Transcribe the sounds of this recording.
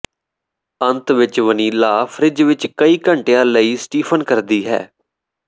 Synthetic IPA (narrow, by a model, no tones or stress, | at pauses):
ənt̪ʋɪt͡ʃʋəniːlaːpʰɾɪd͡ʒʋɪt͡ʃkəiːkəɳʈejãːləiːsʈiːpʰənkəɾd̪iːɦɛ̰ː